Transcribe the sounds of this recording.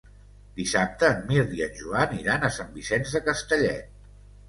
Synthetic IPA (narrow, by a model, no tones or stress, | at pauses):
d̪isap̚t̪əːnmiɾðiənʲʒuaniɾanəsambisɛnzðəkəst̪əʎɛ